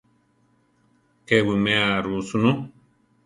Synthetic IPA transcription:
kewɨmeaɾusunu

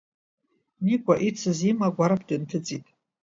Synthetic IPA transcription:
nikʷʼaʔit͡sʰɨzimaɡʷaɾapʰdɨntʰɨt͡sʼitʼ

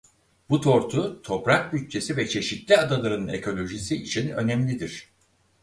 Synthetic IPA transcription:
b̥ut̪ʰo̞ɾt̪ʰut̪ʰo̞pɾak̚byt͡ʃ̚t͡ʃʰe̞sivɛt͡ʃʰe̞ʃit̪lʲiad̪alˠaɾɯnɯnḛkʰo̞lʲo̞ʒisiːt͡ʃʰinø̞nɛmlʲid̪iɾ̥

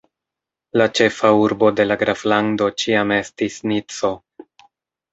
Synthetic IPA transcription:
lat͡ʃe̞fauɾbo̞de̞laɡɾaflando̞t͡ʃiame̞stisnit͡so̞

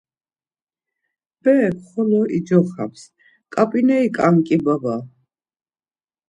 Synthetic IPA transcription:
b̥ɛkχɔlɔʔid͡ʒɔχa̰ps | kʼapʼinɛikʼaŋkʼibaba

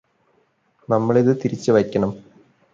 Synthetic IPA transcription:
nɐmːɐɭiðɨt̪iɾit͡ɕːɨʋɐjkʲːɐɳɐm

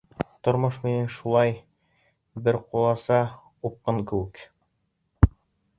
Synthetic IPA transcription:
t̪ŏɾmoʃminɘnʃulˠɑj | bɘɾqulˠɑsɑ | up̚qɤɴkɘ̆wɘk

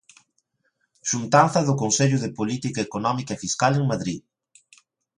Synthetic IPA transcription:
ʃunt̪anθɐðʊkonseʎʊðɪpolit̪ikɐekonɔmikaefiskaleŋmaðɾið

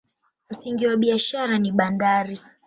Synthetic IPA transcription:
m̩siŋɡiwaɓiaʃaɾaniɓandaɾi

